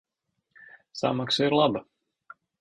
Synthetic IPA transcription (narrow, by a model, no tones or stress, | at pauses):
sa̰maksaiɾlˠaba